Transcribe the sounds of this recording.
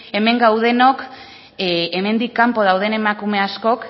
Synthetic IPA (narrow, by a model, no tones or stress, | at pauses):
e̞me̞ŋɡawð̞e̞no̞k | eme̞nd̪ikːampo̞ð̞awð̞e̞ne̞makume̞asko̞k